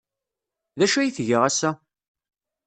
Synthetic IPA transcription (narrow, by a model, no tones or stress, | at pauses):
ðæʃæjiθʝəʁæsːæ